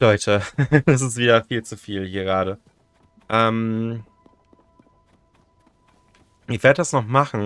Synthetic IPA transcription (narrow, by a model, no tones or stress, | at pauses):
lɔʏtʰəd̥as̬ɪstv̥iːdɐfiːlt͡sufiːlɡəʁaːɾə | ʔɛːm | ʔɪv̥eɐədasnɔχmaχn̩